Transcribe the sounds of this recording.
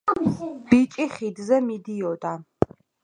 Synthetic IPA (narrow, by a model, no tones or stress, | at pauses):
b̥it͡ʃʼiχid̪zɛmid̪iɔd̪a